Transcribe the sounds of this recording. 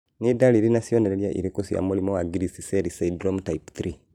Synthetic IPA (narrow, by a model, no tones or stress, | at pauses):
nidaliɾinasijoneɾeljaʔḭɾikusja̰mulimɔwaɡiɾisiseɾisadɾomtaipθɾi